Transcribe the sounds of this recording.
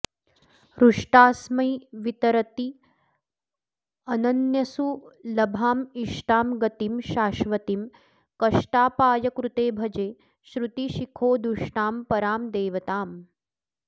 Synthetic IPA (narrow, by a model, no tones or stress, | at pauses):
ɾuʂʈaːsmɐjʋit̪ɐɾɐt̪i | ɐnɐnjɐsulɐbʱaːmiʃʈaːmɡɐt̪imʃaːʃʋɐt̪im | kɐʂʈaːpaːjɐkɾut̪eːbʱɐd͡ʒeː | ʃɾut̪iʃikʰoːd̪uʂʈaːmpɐɾaːmd̪eːʋɐt̪aːm